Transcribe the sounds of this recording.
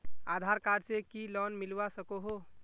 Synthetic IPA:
ad̪ʱaɾkaɖsekilɔnmilʋasəkoɦo

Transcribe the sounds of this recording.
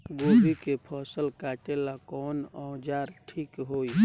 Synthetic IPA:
ɡoːbikepʰɔːsəlkaːt͡ʃelakɔːnɔd͡ʒaːɾʈʰiːkɦoːi

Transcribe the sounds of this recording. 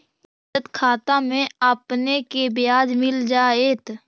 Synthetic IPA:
ət̪kʰaːt̪amẽəpnekebɪjaːd͡ʒmɪld͡ʒaːeːt̪

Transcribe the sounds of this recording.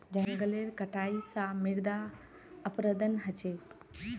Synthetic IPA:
d͡ʑə̃ŋɡəleːɾkɐʈaːisãmɪɾd̪a | əpɾəd̪ənɦɐt͡ɕeː

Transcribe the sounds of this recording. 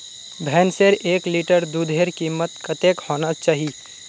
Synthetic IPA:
bʱɛːnseɾʔeːkliːʈəɾd̪ud̪ʱeːɾkiːmət̪kɐt̪eːkhoːnat͡ʃaːɦi

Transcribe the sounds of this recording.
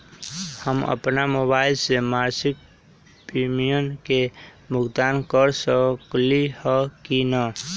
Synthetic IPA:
həmə̰pnamoβaɪlsemaɾsik̚ | pimijənke | mʊɡd̪ankəɾsəklihəkinə

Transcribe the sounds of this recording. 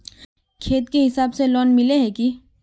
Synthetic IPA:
kʰeːt̪keɦɪsaːbselɔːnmɪleɦɛki

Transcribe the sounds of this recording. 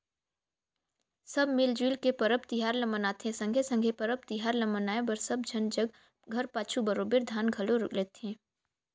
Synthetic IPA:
səbmɪld͡ʒwiːlkepəɾəpt̪iɦaːɾləmənaːt̪ʰẽsə̃ŋɡʱesə̃ŋɡʱepəɾəp̚t̪ɪɦaːɾləmənaːebəɾsɐb̚d͡ʒʱɐnd͡ʒəɡ | ɡʱɐɾpaːt͡ʃʰubəɾoːbeɾd̪ʱaːnɡʱɐloɾlet̪ʰẽː

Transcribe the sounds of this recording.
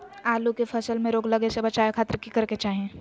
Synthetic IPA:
aːlukepʰɐsəlmẽɾoːɡləɡesebɐt͡ʃaːekʰaːt̪ɾkikɐɾket͡ʃaːɦiẽ

